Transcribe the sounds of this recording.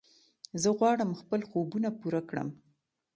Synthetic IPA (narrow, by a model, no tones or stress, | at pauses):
zəɣwɑɽəmxpəlxobunapuɾakɽə̰m